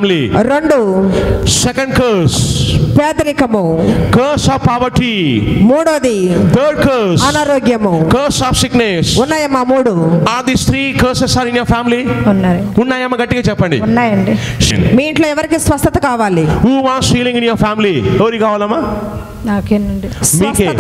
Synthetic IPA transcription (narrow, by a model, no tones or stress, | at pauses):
mliɾeɳɖu | sɛkɐ̃ɳɖkɐːɾspeːd̪ɐɾikɐmukɐːɾsaːfpaːʋɐɾʈimuːɽoːd̪it̪ʰəːɾɖ̚kɐɾɾsɐnaːɾoːɡjɐmukɐːɾsaːfsiknesunːaːjɐmːaːmuːɽuad̪ist̪ɾiːkɐːɾsɐsaːɾinjoːɾpʰaːmiliunːaːɾunːaːjɐmːɐɡɐʈːiɡaːt͡ʃɛpːɐɳɖḭunːaːjɐɳɖisiɳḭmiːiɳʈloːɛʋɐɾikisʋɐst̪ɐt̪ɐkaːʋaːlijuːʋaːsfiːlĩŋɡinjoːɾpʰaːmilieʋɐɾikaːʋaːlɐmːa | naːkeːnɐɳɖismiːkeː